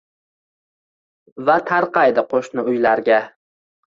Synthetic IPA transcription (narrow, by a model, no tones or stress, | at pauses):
vat̪ʰaɾqɑjd̪ɪqʰoʃnʊʊjlaɾɡʲa